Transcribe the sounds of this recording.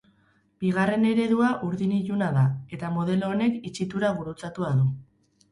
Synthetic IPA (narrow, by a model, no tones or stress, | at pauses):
b̥iɣ̞are̞ne̞ɾe̞ðuaʔuɾðiniʝunaðae̞t̪amo̞ð̞e̞lo̞ːne̞kit͡ʃit̪uɾaβuɾut͡sat̪uaðu